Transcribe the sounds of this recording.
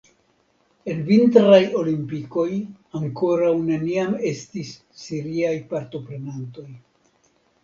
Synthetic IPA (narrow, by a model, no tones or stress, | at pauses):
e̞nvintɾajo̞limpiko̞j | aŋko̞ɾawne̞niame̞stisː | iɾiajpaɾto̞pɾe̞nanto̞j